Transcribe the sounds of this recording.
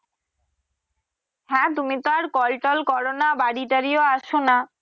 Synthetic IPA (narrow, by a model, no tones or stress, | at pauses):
ɦɛ̃t̪umit̪aɾkɔlʈɔlkɔɾonabaɽiʈaɾioaʃona